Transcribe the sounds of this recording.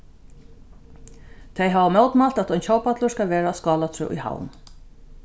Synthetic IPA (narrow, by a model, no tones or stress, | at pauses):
t̪ʰɛjɦaːʋamɛwt̪malt̪at̪ɔjnt͡ɕʰɔːwpat̪lʊɹskalʋeːɾaskɑːlat̪ʰɾʏ̰ʔʊ̰jha̰wn